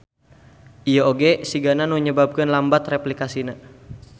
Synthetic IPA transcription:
ijaoɡesiɡananuɲəbab̚kənlambat̪replikasina

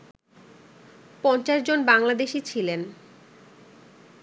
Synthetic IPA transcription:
pɔnt͡ɕaʃd͡ʑonbaŋlad̪eʃit͡ɕʰilen

